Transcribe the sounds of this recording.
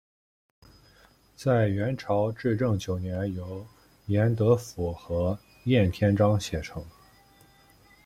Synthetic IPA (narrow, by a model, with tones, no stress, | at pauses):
t͡sa˥˩ɪɥɛ˧˥nʈ͡ʂʰɑ˧˥ʊʈ͡ʂɻ̩˥˧ʈ͡ʂɤ˥˩ŋt͡ɕjo˨˩ʊnjɛ˧˥njo˧˥ʊ | jɛ˧˥nt̪ɤ˧˥fu˨˩xɤ˧˥ | jɛ˥˩nt̪ʰjɛ˥nʈ͡ʂɑ˥ŋɕjɛ˨˩ʈ͡ʂʰɤ˧˥ŋ